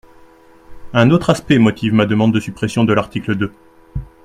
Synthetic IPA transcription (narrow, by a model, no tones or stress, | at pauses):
ɛ̃not̪χaspɛmɔt̪ʰivmad̪əmɑ̃d̪ːəsypχesjɔ̃d̪əlaʁt̪ikləd̪ø